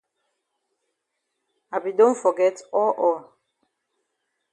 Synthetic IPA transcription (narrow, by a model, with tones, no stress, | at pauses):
a˨bi˨dõ˦nfɔ˨ɡɛ˦tɔ˦ʔɔ˨